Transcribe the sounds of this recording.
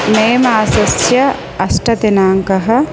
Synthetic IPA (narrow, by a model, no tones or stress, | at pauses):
meːmaːsɐsjɐ | ɐsʈɐt̪enaːŋkɐɦɐ̆